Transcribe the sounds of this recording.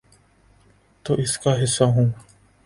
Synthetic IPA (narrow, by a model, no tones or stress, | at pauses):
t̪oːʔɪskaːɦɪsːaːɦũː